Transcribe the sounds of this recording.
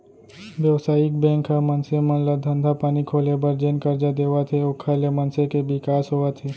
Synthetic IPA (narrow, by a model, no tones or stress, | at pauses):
ʋjəʋsaːɪkbɛ̃ːŋkʰːamənsemə̃nlad̪ʱə̃nd̪ʱapaːnikʰoːlebəɾd͡ʒenkəɾd͡ʒad̪eːʋat̪ʰeokʰalemɐnsekebɪkaːsɦoːat̪ʰeː